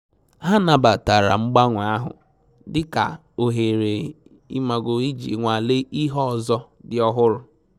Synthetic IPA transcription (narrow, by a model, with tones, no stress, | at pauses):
ɦa˦na˨ba˨ta˨ɾa̰˨ŋ͡m̩˦ɡ͡ba˦ŋʷ˨˦a˦ɦʊ̰˨ | dɪ˦ka̰˨ | o˨ɦe˨ɾe˨ | ḭ˦ma˨ɡo˨i˦d͡ʒḭ˨ŋʷa˨le˦ʔi˦ɦɔ˦˨zɔ˦dɪ˦ɔ˦ɦʊ˦ɾʊ˨